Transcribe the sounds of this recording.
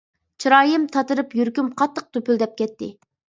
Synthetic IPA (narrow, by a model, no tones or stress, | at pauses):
t͡ʃʰiɾɑːjɨmt̪ʰɑt̪ɨɾɨpjyɾkʲymqʰɑt̪ːəq̚t̪ʰøpyld̪ɛp̚kʲɛt̪ʰːɪ